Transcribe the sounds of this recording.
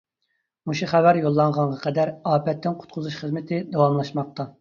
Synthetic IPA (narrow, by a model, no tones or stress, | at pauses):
muʃuχævæɾjolˠːɑɴʁɑnʁɑqʰɛd̪æɾɑːpɛt̪ːɪnqʰʊ̥t̪̚qʰʊzuʃχəzmɪt̪ʰɪd̪ɑwɑmlˠɑʃmɑq̚t̪ɑ